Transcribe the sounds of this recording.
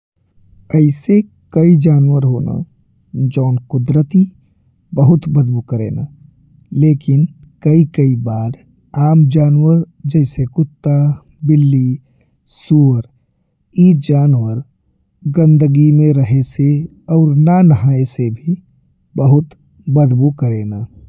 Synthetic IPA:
əɪse | kəid͡ʒaːnwəɾɦoːna̰ | d͡ʒɔːnkʊd̪ɾət̪i | bəɦʊt̪bəd̪bukəɾḛːna̰ | leːkɪnkəikəibaːɾ | aːmd͡ʒaːnwəɾ | d͡ʒɛːɪsekʊt̪ːa | bɪlːi | suːɾ | iːd͡ʒaːnwəɾ | ɡə̃nd̪əɡimẽɾəɦese | ɔːɾnanəɦaːesebʱi | bəɦʊt̪ | bəd̪bukəɾeːnaː

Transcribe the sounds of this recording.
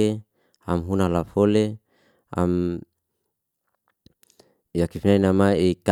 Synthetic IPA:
e | amɦunalafole | a̰m | jakifinainamaik

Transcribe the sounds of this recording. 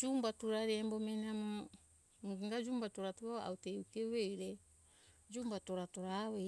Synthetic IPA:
d͡ʒumbatuɾaɾembo̞menamo | ɡŋɡad͡ʒuːmbatoɾatuaa̰wteukeβeɾe | d͡ʒumbato̞ɾato̞ɾawe

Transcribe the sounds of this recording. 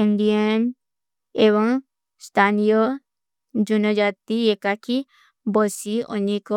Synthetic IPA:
iɳɖiən | eβɔŋ | st̪ʰanijɔ | d͡ʒunɔd͡ʒat̪iɛkakʰi | bɔsiɔ̰ɲikɔ

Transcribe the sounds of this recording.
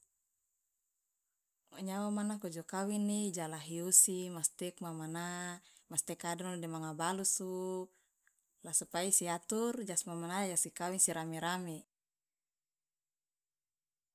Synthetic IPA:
maɲawamanakod͡ʒɔkawinːid͡ʒalaɦiosimast̪ɛk̚mamanamast̪ɛkadɔŋldimaŋabalusu | lasupaisiat̪urd͡ʒasmamanajasikawinsiɾameɾame

